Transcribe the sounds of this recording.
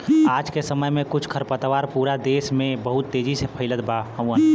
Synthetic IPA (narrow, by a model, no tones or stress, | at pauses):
aːd͡ʒkesəməjmẽkʊt͡ʃʰkʰəɾpət̪ʋaːɾpuːɾad̪eːsmẽbəɦʊt̪ːeːd͡ʒisepʰəɪlət̪baɦə̃wən